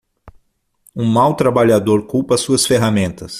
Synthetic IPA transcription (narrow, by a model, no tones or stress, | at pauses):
ũmawt̪ɾabaʎad̪oɾkupɐsuɐsfeɦamẽnt̪ɐs